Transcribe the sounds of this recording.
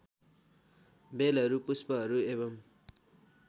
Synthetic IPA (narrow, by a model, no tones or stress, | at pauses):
belɦʌɾupuspʌɦʌɾuebʌm